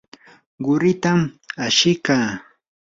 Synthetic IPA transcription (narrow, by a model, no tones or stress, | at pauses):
ɢʊɾɪt̪amaʃɪkaː